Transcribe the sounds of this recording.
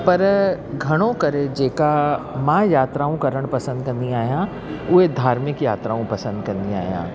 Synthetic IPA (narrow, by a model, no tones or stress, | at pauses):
pɐɾɡʱɐɽ̃õkɐɾed͡ʑeːkamãjaːt̪ɾaːũkɐɾəɽ̃pɐsə̃nd̪̚kɐ̃nd̪iaːɦijã | ʊɦed̪ʱaːɾmɪkjaːt̪ɾaːũpɐsə̃nd̪kɐ̃nd̪ia̰ːɦijã̰ː